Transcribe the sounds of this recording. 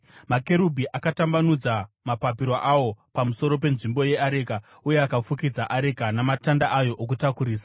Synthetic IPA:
make̞ɾubʱiʔakatambanud͡za | mapapiɾoʔawo̞pamuso̞ɾo̞p̬e̞nʐimbo̞je̞aɾe̞ka | uje̞akafukid͡zaʔaɾe̞kanamatandaʔajo̞ʔok̬utakuɾiːsḁ

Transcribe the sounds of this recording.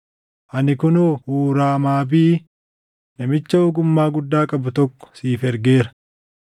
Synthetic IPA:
ʔɐnɪkʊnoːhuːɾaːmaːbiː | nɐmɪt͡ʃːɐoːɡʊmːaːɡʊd̪ːaːkʼɐbʊt̪ɔkːɔ̥siːfɛɾɡeːɾɐ̥

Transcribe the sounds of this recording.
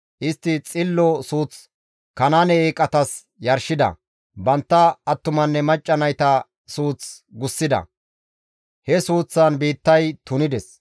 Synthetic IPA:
ʔɪst̪ːɪt͡sʼɪlːɔsuːt͡s | kɐnanɛːkʼːɐt̪ɐs | jɐɾʃɪd̪ɐ̰ | bɐnt̪ːɐːt̪ːʊmɐnːɛmɐt͡ʃʼːɐnɐjt̪ɐ | suːt͡s | ɡʊsːɪd̪ɐ̰ | hɛsuːt͡sːɐnbiːt̪ːɐjt̪ʊnɪd̪ɛs

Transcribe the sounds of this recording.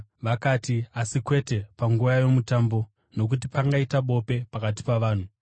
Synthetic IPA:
ʋakaːtiasikwe̞te̞paŋɡujajo̞mutambo̞ | no̞k̬ut̬ipaŋɡaitaɓo̞pe̞pakat̬i̥paʋaːn̤u

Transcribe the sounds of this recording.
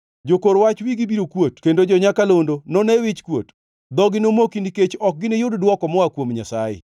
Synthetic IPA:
d͡ʒokoɾwat͡ʃwiɡibiɾokwotkendod͡ʒɔɲakalondonɔnɛwɪt͡ʃkwo̰t | d̪ɔɡɪnomokiniket͡ʃɔk̚ɡɪnɪjʊddwɔkɔmɔakwomɲasajḛ

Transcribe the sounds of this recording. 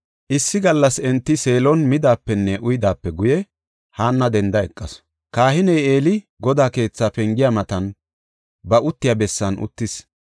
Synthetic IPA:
ʔɪsːɪɡɐlːɐsɛnt̪ːɪse̞ːlɔnmɪd̪aːpːɛnːɛʔʊjɪd̪aːpːɛɡʊjɛ | haːnːɐd̪ɛnd̪ɐɛkʼːɐs | kaːhɪnɛje̞ːlɪ | ɡɔd̪aːke̞ːt͡sːaːpɛŋɡɪjamɐt̪ɐn | bɐʊt̪ːɪjabɛsːɐnʊ̰t̪ːɪs

